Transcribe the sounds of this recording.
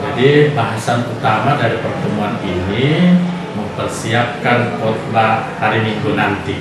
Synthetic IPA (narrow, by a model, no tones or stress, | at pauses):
d͡ʒadibaɦasanut̪amadaɾipərt̪əmuanini | məmpərsiap̚kankɔt̪lahaɾimiŋɡunant̪i